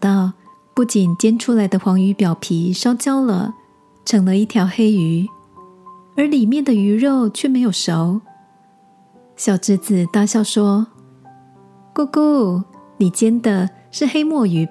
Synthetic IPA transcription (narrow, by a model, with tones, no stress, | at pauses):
t̪ɑ˥˩ʊ | pu˥˩t͡ɕi˨˩nt͡ɕjɛ˥nʈ͡ʂʰu˥la˧˥ɪd̪ə˧xwɑ˧˥ŋy˧˥pjɑ˨˩ʊpʰi˧˥ʂɑ˥ʊt͡ɕjɑ˥ʊlə̰˨ | ʈ͡ʂʰɤ˧˥ŋlə˧i˥˩t̪ʰjɑ˧˥ʊxe˥ɪy˧˥ | ə˞˧˥li˨˩mjɛ˥˩nd̪ə˩y˧˥ɻo˥˩ʊt͡ɕʰɥɛ˥˩me˧˥ɪjo˨˩ʊʂo˧˥ʊ | ɕjɑ˨˩ʊʈ͡ʂɻ̩˥t͡sɹ̩˨t̪a˥˧ɕjɑ˥˩ʊʂwɔ˥ | ku˥˧ku˥˩ni˨˩t͡ɕjɛ˥nd̪ə˨ | ʂɻ̩˥˩xe˥ɪmwɔ˥˩y˧˥